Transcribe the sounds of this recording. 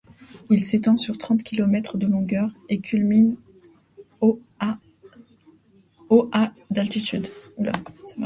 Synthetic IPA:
uilset̪ɑ̃syʁt̪χɑ̃t̪kʲilɔmɛt̪χəd̪əlɔ̃ɡœʁekʲʰylmin | oʔad̪alt̪it̪yd̪ula̰s

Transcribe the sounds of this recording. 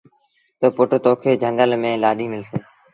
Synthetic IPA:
t̪oːpʊʈt̪oːkʰeːd͡ʒʱə̃ŋɡ̪əlmẽːlaːɗiːmɪlseː

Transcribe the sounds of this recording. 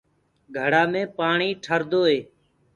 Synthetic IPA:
ɡʱəɽ̤aːmẽːpaːɳiːʈʰəɾd̪oːɦeː

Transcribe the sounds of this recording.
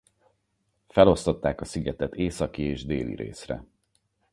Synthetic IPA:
fɛlo̞st̪o̞t̪ːaːkɒsiɡɛt̪ɛt̪eːsɒkieːʒd̪eːlḭɾḛːsrɛ̰

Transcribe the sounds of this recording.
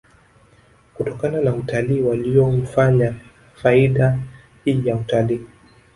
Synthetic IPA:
kutɔkananautaliːwaliɔm̩faɲa | faiɗa | hiːjautaliː

